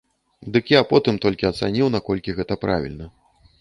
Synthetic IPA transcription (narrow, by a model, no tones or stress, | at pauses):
d̪ɨkjapɔt̪ɨmt̪ɔlʲkʲiɐt̪sanʲiwn̪akɔlʲkʲiɣɛt̪ɐpɾa̰vʲḭlʲnɐ